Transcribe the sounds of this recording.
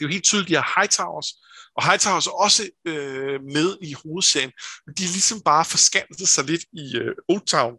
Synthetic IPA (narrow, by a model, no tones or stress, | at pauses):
d̥e̝ʋɑe̝̰ːld̥t͡sʰyːð̞ˠliɐhɑ̈ɪt͡sʰɑ̈ʊɐs | ʔɒ̽ɦɑ̈ɪt͡sʰɑ̈ʊsɒ̽səømeð̞ˠiho̝ːð̞̩ˠseɐ̰ənmend̥iælisɒ̽mb̥ɑ̈ːfɒ̽sɡ̥æn̰d̥ð̩ˠsɑ̈ɪle̝d̥iøo̥t͡sʰɑ̈ʊn